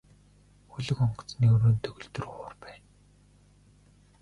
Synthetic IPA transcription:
xʊɮɵ̆kɔɴɢ̆ʰt͡sniɵɾoːnt̪ʰɵɣɵ̆ɮt̪ɵ̆rχʊːrpæːn

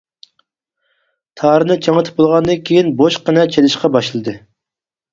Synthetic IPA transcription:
t̪ʰɑːɾɨnɨt͡ʃʰeŋət̪ʰɨ̥p̚bolˠʁɑnd̪ɨnkʲʰejinboʃqənɛt͡ʃʰelɨʃqɑbɑʃlˠɨd̪ɨ

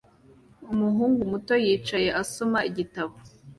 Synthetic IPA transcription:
umuɦuːŋɡumuto̞jiːt͡ʃaje̞ʔaso̞maiɟitaβo

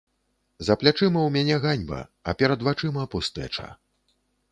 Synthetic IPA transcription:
zɐplʲat͡ʂɨmɐwmʲanʲɛɣanʲbɐ̰ɐ̰pʲɛɾɐd̪vat͡ʂɨmɐpust̪ɛ̰t͡ʂɐ̰

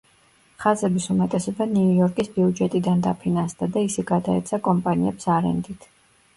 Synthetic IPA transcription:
χazɛbisumɛt̪ʼɛsɔbaniujɔɾkʼisbiud͡ʒɛt̪ʼid̪and̪a̰pʰinansd̪ad̪aisɛɡad̪aɛ̰t̪sʰakʼɔmpʼaniɛpsaɾɛ̰nd̪it̪ʰ

